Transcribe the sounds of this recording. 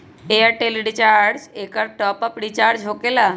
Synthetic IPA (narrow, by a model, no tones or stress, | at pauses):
eəʈelɖit͡ʃaɾɾɖsekəɾʈɔpəpɽit͡ʃaːɾɖd͡ʒɦokela